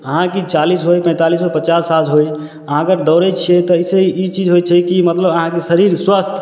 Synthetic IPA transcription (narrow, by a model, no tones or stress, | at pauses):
əɦãkit͡ʃalisɦojpə̃t̪alisopət͡ʃasːat̪ɦoj | əɦãkəɾd̪ɔːɾɛt͡ʃʰijɛt̪ɔseiit͡ʃid͡ʒɦojt͡ʃʰɛkimət̪ləbəɦãkesəɾiɾswast̪ʰ